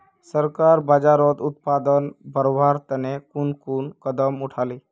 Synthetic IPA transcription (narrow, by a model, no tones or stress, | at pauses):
səɾkaɾbad͡ʒaɾɔt̪ut̪̚pad̪ənbəɾobʱaɾt̪ənekunkunkəd̪əmuʈʰali